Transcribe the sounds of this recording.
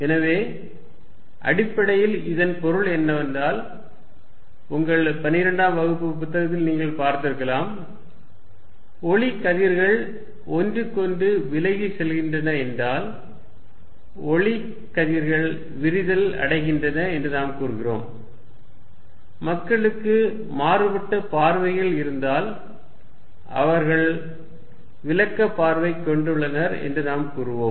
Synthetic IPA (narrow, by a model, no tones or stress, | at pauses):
ɛnɐʋeː | ʔɐ̰ɽɪpːɐɽɐjɪlɪðɐnpɔɾɯɭɛnːɐʋɐnd̪aːl | ʊŋɡɐɭpɐnːɪɪɾɐɳɖaːmʋɐɣɯpːɯpʊt̪ːɐɣɐt̪ːɪlniːŋɡɐɭpaːɾt̪ɪɾɯkːɐlaːm | ɔɭɪkːɐðiɾɣɐɭ | ɔndrɯkːɔndɯʋɪlɐɪɣisɛlɣɪndrɐnɐɛndraːl | ɔɭɪ | kːɐðɪɾɣɐɭ | ʋɪɾɪðɐlɐ̰ɽɐɪɣɪndrɐnɐɛndrɯnaːmkuːɾɯɣɪroːm | mɐkːɐɭɯkːɯ | maːrɯbɐʈːɐpaːɾʋɐɪɣɐɭɪɾɯnd̪aːl | ʔɐ̰ʋɐɾɣɐɭ | ʋɪlɐkːɐpːaːɾʋɐɪkːɔɳɖɯɭːɐnɐɾɛ̰ndrɯnaːmkuːɾɯʋoːm